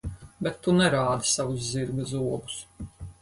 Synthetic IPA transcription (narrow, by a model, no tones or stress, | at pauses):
bɛt̪ːunɛɾaːd̪isavusziɾɡazuɔɡu̥s